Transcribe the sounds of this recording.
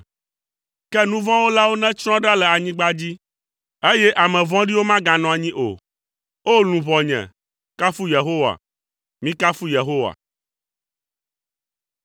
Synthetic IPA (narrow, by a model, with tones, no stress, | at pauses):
kɛ˦nũ˦vɔ̃˦wo˦la˦wo˦nɛ̃˦t͡ʃɾ̃ɔ̃˦ɖa˦lɛ˨a˨ɲĩ˦ɡ͡ba˦d͡ʑi˦ | e˦jɛ˦ʔa˨mɛ̃˨vɔ̃˦ɖi˦wo˦mã˦ɡã˨nɔ̃˨a˨ɲĩ˦ʔo̰˨ | o˦lũ˨βɔ̃˨ɲɛ̰̃˨ | ka˦fu˦je˨ɦo˦wa̰˨ | mĩ˦ka˦fu˦je˨ɦo˦wa̰˨